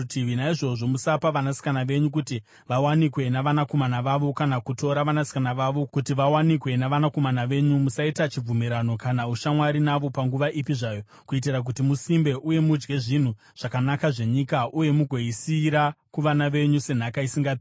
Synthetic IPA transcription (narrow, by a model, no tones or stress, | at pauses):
tʰiʋinaiʐo̞ʐo̞musapaʋanasi̥kanaʋe̞ɲuk̬uti | ʋawanikwe̞naʋanako̞manaʋaʋo̞kanakuto̞ɾaʋanasi̥kanaʋaʋo̞kutiʋawanikwe̞naʋanako̞manaʋe̞ɲumusaitat͡ʃib͡vumiɾano̞kanauʃamwaɾinaʋo̞paŋɡuʋaʔipiʐaːjo̞ | kuit̬irak̬utimusimbe̞ʔuje̞mud͡ʒɡe̞ʐin̤u | ʐ̥akanakaʐe̞ɲikaʔuje̞muɡʱo̞isiɾakuʋanaʋe̞ɲuse̞n̤akaisiŋɡa